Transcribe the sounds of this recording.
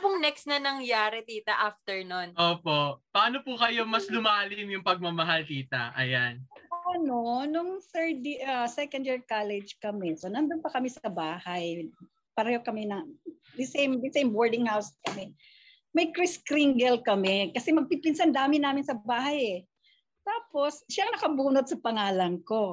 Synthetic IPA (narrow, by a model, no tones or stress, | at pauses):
pʊŋnɛkst̪nɐnɐŋjaːɾɛt̪iːt̪ɐʔaft̪ɛɹnonʔoːpoʔpɐaːnopʊkɐjo̞mɐslʊmaːlɪmjʊŋpɐɡ̚mɐmɐɦalt̪iːt̪ɐʔɐjanʔɐnonʊŋθɛɹd̪iʔɐsɛkɐnd̪jiɹkalɛd͡ʒkɐmɛsonɐnd̪onpɐkɐmɛsɐbaːhɐj | pɐɾɐjokɐmɛnɐ | d̪ɪsɛjmd̪ɪsejmboɹd̪ɪŋhawskɐmɛ | mɐjkɾɪskɾiŋɡɛlkɐmɛkɐsɛmɐɡ̚pipɪnsand̪aːmɪnaːmɪnsɐbaːhɐjɛ | t̪aːpo̞sʃaŋnɐkɐbuːnod̪̚sɐpɐŋaːlɐŋko̞